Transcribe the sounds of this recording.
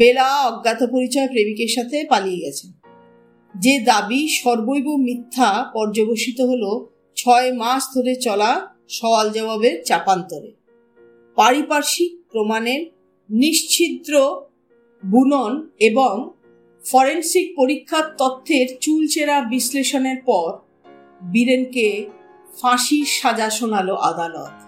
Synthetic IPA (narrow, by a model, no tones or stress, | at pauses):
belaɔɡːat̪opoɾit͡ɕɔepɾebikeɾʃat̪ʰepalijeɡɛt͡ɕʰe | d͡ʑed̪abiʃɔɾbojbomit̪ʰːapɔɾd͡ʑoboʃit̪oɦolo | t͡ɕʰɔemaʃd̪ʱoɾet͡ɕɔla | ʃɔald͡ʑɔbabeɾt͡ɕapant̪oɾḛ | paɾipaɾʃik̚pɾomaneɾ | niʃt͡ɕʰid̪ɾo | bunoneboŋ | fɔɾensik̚poɾikʰːat̪ːɔt̪ʰːeɾt͡ɕult͡ɕeɾabisleʃoneɾpɔɾ | biɾenke | faʃiʃad͡ʑaʃonaloʔad̪alo̰t̪